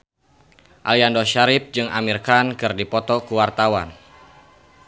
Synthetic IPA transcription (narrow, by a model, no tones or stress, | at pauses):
ʔaliandɔʃaɾɪp̚d͡ʒɨŋa̰mirkankɨrdipɔt̪ɔkuwart̪awan